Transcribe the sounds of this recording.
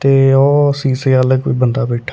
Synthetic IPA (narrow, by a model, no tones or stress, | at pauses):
t̪eːɔːsiːseələɡʋḭːbənd̪aːbɛːʈʰːa